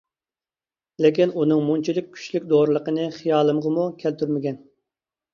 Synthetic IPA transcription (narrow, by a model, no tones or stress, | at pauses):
lɪkʲinunɨŋmunt͡ʃʰilɪk̚ʲʰːy̥t͡ʃlykʲd̪oɾɨlˠəqənɨχijɑːlˠɨmʁəmukʲʰælt̪ʰyɾmɪɡʲɛn